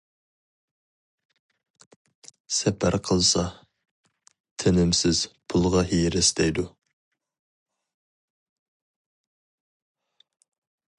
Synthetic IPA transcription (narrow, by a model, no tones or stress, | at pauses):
sɛpʰæɾqʰəlˠsɑ | t̪ʰenɪmsɪz̥pʰʊlˠʁɑɦijɾɪsd̪ɛjd̪u